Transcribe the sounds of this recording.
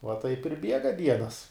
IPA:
ʋɐ tɐɪp ɪr ˈbʲiɛɡɐ ˈdʲiɛnɐs

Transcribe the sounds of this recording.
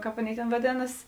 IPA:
ˈkɑːp ˈɑːˌnʲeːɪ tʲeːn ʋɐˈdʲeːnɐs

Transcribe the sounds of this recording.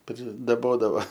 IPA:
pʲrʲɪdɐˈboːdɐʋɐ

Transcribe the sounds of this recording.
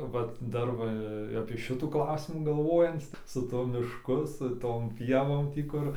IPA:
ˈʋɐt ˈdɐr ʋɐ ɐpʲiɛ ʃʲɪˈtuː ˈklˠɐʊsʲɪmuː ɡɐlˠˈʋoːjɛnt͡s sʊ tuɔ mʲɪʃˈkʊ sʊ ˈtoːm ˈpʲiɛʋoːm ˈtʲiː kʊr

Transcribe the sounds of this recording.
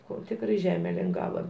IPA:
ˈkoː ˈtʲɪkrɐɪ ˈʒʲæːmʲɛ lʲɪŋˈɡɑːʋɐ

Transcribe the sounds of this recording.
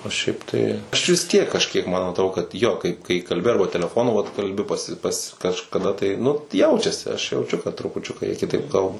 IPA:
oː ˈʃʲɛɪp tɐɪ ˈɐʃ ʋʲɪs ˈtʲiɛk kɐʃʲˈkʲiɛk ˈmɐn ɐtˈroː kɐt ˈjoː kɐɪp kɐɪ kɐlʲˈbʲɪ ˈɐrbɐ tʲɛlʲɛˈfoːnʊ ʋɐt kɐlʲˈbʲɪ pɐˈsʲɪ pɐs kɐʃkɐˈdɐ tɐɪ nʊ ˈjɛʊt͡ʃʲɛsʲɪ ɐʃ jɛʊˈt͡ʃʲʊ kɐt trʊpʊˈt͡ʃʲʊkɐ jiɛ kʲɪˈtɐɪp ˈkɐlˠbɐ

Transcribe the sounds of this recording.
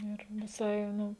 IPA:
ɪr ʋʲɪˈsɐɪ ˈnʊ

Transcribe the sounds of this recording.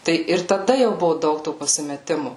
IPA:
ˈtɐɪ ɪr tɐˈdɐ jɛʊ ˈbʊʋʊ ˈdɐʊk toː pɐsʲɪmʲɛˈtʲɪmʊ

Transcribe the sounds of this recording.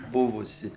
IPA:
ˈbʊʋʊsʲɪ

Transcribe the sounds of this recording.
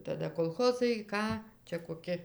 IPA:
tɐˈdɐ koːlˠˈxoːzɐɪ ˈkɑː ˈt͡ʃʲɛ koːˈkʲɪ

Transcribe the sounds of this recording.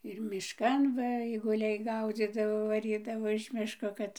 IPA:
ɪr mʲɪʃˈkɐn ˈʋɐ ɐɪɡʊˈlʲɛɪ ˈɡɐʊd͡zʲiːdɐʋoː ʋɐˈrʲiːdɐʋoː ɪʃ ˈmʲɪʃkoː ˈkɐt

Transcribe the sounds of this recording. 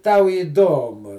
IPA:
ˈtɐʊ iːˈdoːmʊ

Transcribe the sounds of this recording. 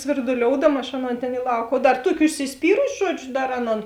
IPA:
sʲʋʲɪrdʊˈlʲoːʊdɐmɐ ɐʃ ˈɑːˌnoːn ˈtʲeːn ɪ ˈlˠɐʊk oː ˈdɐr ˈtuɔkʲɪ ʊʃʲsʲɪsʲˈpʲiːrʊsʲɪ ˈʒuɔd͡ʒʲʊ ˈdɐr ˈɑːˌnoːn

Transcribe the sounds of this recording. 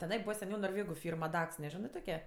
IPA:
tʲɛˈnɐɪ ˈbuːʋɐ sʲɛˈnʲɛʊ noːrʲˈʋʲeːɡʊ ˈfʲiːrm ɐˈdɐks nʲɛˈʒʲɪnɜ ˈtoːkʲɛ

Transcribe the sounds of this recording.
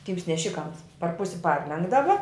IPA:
ˈtʲiːms nʲɛˈʃʲɪkɐms pɐr ˈpʊsʲɪ ˈpɐrʲlʲɛŋɡdɐʋɐ

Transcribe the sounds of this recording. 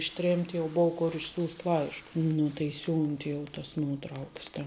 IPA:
ɪʃʲˈtʲrʲeːmʲtʲ jɛʊ ˈboːʊ ˈkʊr ɪʃʲˈsʲuːsʲtʲ ˈlˠɐɪʃkʊs ˈnʊ tɐɪ ˈsʲuːnʲtʲɪ jɛʊ tɐs ˈnuɔtrɐʊks tʲɛn

